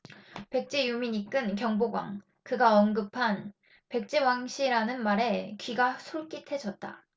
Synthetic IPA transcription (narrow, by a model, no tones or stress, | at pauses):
pe̞k̚t͡ɕ͈ejumiɲik͈ɯnkjʌŋboɡwa̰ŋ | kɯɡaʌnɡɯpʰan | pe̞k̚t͡ɕ͈iwaŋɕʰiɾanɯnmaɾe̞kɥiɡasʰoɭk͈itʰe̞d͡ʑʰʌt̚t͈a̰